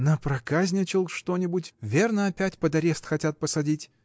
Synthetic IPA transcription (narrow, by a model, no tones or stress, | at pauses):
nəpɾɐkazʲnʲɪt͡ɕɪlˠʂt̪onʲɪbʊtʲvʲe̞rnəɐpʲætʲpəd̪ɐɾʲest̪xɐtʲat̪̚pəsɐdʲitʲ